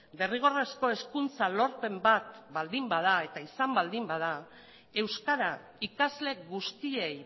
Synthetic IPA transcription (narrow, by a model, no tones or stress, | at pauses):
be̞riɣ̞o̞re̞sko̞e̞skunt͡salo̞ɾpe̞mbat̪bald̪imbað̞ae̞t̪aisambald̪imbaða | e̞wskaɾa | ikazle̞ɣust̪ie̞j